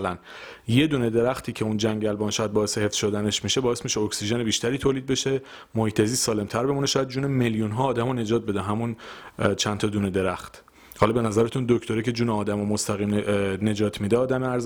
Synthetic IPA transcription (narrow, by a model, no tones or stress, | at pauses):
læn | je̞d̪uːne̞d̪e̞ɾæxt̪ʰiːcʰe̞und͡ʒæŋɟælbɒːnʃɒːjæd̪̚bɒːesehe̞fz̥ʃo̞d̪æne̞ʃmiʃe̞bɒːesmiʃeoksiʒenebiːʃt̪ʰæɾiːt̪ʰoːliːd̪̚be̞ʃe̞ | mohiːt̪ʰeziːst̪sɒːle̞mt̪ʰæɾbe̞muneʃɒːjæd̪̚d͡ʒuːneme̞ljunɦɒːd̪æmɔne̞d͡ʒɒːt̪̚be̞d̪eɦæmunt͡ʃʰænt̪ʰɒːd̪uːne̞d̪e̞ɾæxt̪ʰ | hɒlɒbe̞næzæɾet̪ʰund̪oct̪ʰoɾecʰe̞d͡ʒuːneɒːd̪æmɔmost̪ʰæɣiːmne̞d͡ʒɒːt̪ʰmiːd̪eɒːd̪æmeæɾz